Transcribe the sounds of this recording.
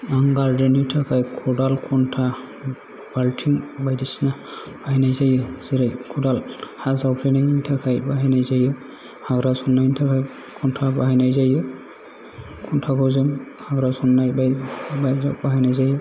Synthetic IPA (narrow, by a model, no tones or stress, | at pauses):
aŋɡaɾdenitʰakʰajkʰɔdalkʰɔntʰa | baltʰiŋbajdisna | b̥aɦinajzajɯziɾajkʰɔdalhazawpʰɾeniŋintʰakʰajbaɦajnajzajɯ | haɡɾasɔnːajntʰakʰaj | kʰɔntʰabaɦajnajzajɯ | kʰɔntʰaɡɔzɯm | haɡɾasɔnːajbabaabaɦajnajzajɔ